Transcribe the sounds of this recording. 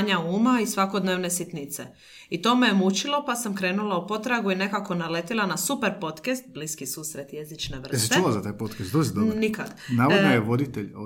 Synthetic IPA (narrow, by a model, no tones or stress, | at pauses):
aɲauːmaisʋako̞d̪neʋnesit̪nit̪sḛ | it̪o̞ːmejemut͡ʃilo̞pasamkɾe̞ːnulaupo̞t̪ɾaɡuine̞kako̞nale̞t̪ilˠanasupe̞ɾpo̞t̪kest̪̚bliskisuːsɾe̞t̪jezit͡ʃne̞ʋr̩essitt͡ʃoʋazat̪aːjpot̪kest̪d̪uzid̪onikad̪naːʋod̪nojeʋod̪it̪eʎ